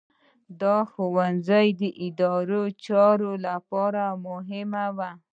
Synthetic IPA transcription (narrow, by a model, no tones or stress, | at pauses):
d̪ɑxowanzajd̪əʔɪd̪ɑɾot͡ʃɑɾolapɑɾamʊɦɪmawa